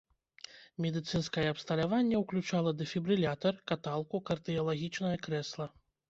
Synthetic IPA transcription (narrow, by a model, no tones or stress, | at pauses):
mʲɛd̪ɨt̪sɨnskɐjɛɐpst̪ɐlʲavanʲːɛwklʲut͡ʂalˠɐd̪ɨfʲibɾɨlʲat̪ɐrkat̪alˠkukɐrd̪ɨjɐlˠaɣʲit͡ʂnɐjɐkɾɛslˠɐ